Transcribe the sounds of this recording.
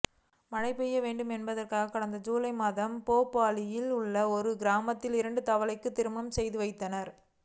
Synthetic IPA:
mɐnɐɪpːɛjːɐʋeːɳɖɯmɛnbɐðɐrkaːɣɐkːɐɽɐnd̪ɐd͡ʒuːlɐɪmaːðɐmpoːpːaːlɪjɪlɯɭːɐɔɾɯɡɪɾaːmɐt̪ːɪlɪɾɐɳɖɯt̪ɐʋɐɭɐɪkːɯt̪ːɪɾɯmɐmsɛjðɯʋɐɪt̪ːɐnɐɾ

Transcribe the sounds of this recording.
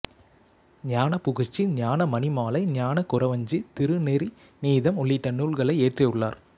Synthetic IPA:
ɲaːnɐpʊɣɪt͡ʃːiɲaːnɐmɐnɪmaːlɐɪɲaːnɐkʊɾɐʋɐɲd͡ʒɯt̪ɪɾɯnɛɾi | niːðɐmɔɭːɪʈːɐnuːɭɣɐɭɐɪeːʈrɐjɯɭːa̰ːɾ

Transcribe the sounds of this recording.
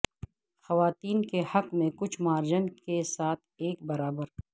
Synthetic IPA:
xɐʋaːt̪iːnkehɐqmẽkʊt͡ʃʰmaːɾd͡ʒənkesaːt̪̚ʰeːk̚bɐɾaːbəɾ

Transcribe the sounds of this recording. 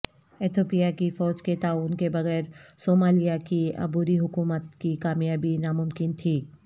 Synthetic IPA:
ɪt̪ʰoːpijakifɔːd͡ʒket̪aːuːnkebɐɣɛːɾsoːmaːlijakiɐ̰buːɾiɦʊkuːmət̪kikaːmjaːbinamʊmkɪnt̪ʰiː

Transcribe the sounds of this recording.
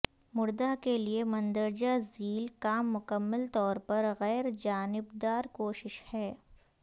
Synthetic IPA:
mʊɾd̪akeliemɐ̃nd̪əɾd͡ʒaziːlkaːmːʊkəmːəlt̪ɔːɾpɐɾɣɛːɾd͡ʒaːnɪbd̪aːɾkoːʃɪʃhɛː

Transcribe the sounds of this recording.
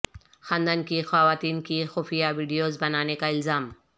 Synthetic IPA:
xãnd̪ənkixaːʋaːt̪iːnkixʊːfijaʋiːɖijoːzbɐnaːnekaɪlzaːm

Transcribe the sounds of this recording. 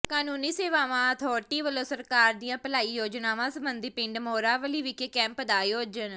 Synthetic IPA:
kaːnuːniːseːʋaːʋãːət̪ʰɔːʈiːʋəloːsəɾkaːɾd̪iːjãːpəlaːiːjoːd͡ʒnaːʋãːsəmbənd̪iːpɪɳɖmoːɾaːʋəliːʋɪkeːkɛ̃ːmpəd̪aːjoːd͡ʒən

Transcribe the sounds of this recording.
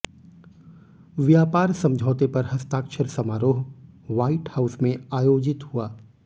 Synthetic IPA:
ʋjaːpaːɾsɐ̃md͡ʒʱɔːt̪epɐɾɦɐst̪aːkʃʰəɾsɐmaːɾoːɦ | ʋaːiʈhaːʊsmẽaːjoːd͡ʒɪt̪huaː

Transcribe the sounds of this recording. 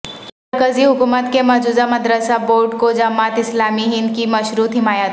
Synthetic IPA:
mɐɾkəziɦʊkuːmət̪kemɐɦd͡ʒuːzamɐd̪ɾəsaboːɾɖkod͡ʒamaːt̪ɪslaːmiɦɪnkimɐʃɾuːt̪ɦɪmaːjət̪

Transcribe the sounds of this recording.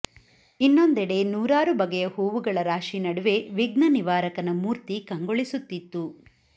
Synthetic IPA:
inːo̞nd̪ɛɽe̞nuːɾaːɾubɐɡɐjɐhuːʋuɡɐɭɐɾaːʂinɐɽuʋe̞ʋiɡnɐniʋaːɾɐkɐnɐmuːɾt̪ikɐŋɡoɭisut̪ːit̪ːu

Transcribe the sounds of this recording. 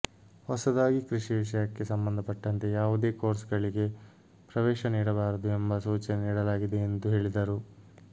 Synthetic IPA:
hɔsɐd̪aːɡikɾiʂiʋiʂɐjɐkːe̞sɐmbɐnd̪ɐpɐʈːɐnt̪e̞jaːʋud̪e̞ːko̞ːɾsɡɐɭiɡe̞ | pɾɐʋɛːʃɐniːɽɐbaːɾɐd̪uembɐsuːt͡ʃɐneniːɽɐlaːɡid̪e̞ːnd̪uɦe̞ːɭid̪ɐɾu

